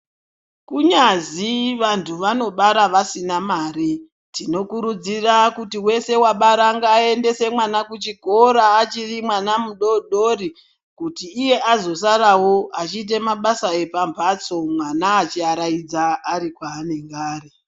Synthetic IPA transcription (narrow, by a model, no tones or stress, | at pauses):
kuɲaziʋantʰuʋano̞ɓaɾaʋasinamaɾi | tino̞kuɾud͡zirakutiwe̞se̞waɓaɾaŋɡaːe̞nde̞se̞mwanakut͡ʃiko̞ɾaːt͡ʃirimwanamuɗoɗori | kutiːje̞ʔazo̞s̬aɾawo̞at͡ʃiːt̬e̞maɓasae̞pampʰat͡so̞mwanaːt͡ʃiaɾaid͡zaːɾikwaːneŋɡaːre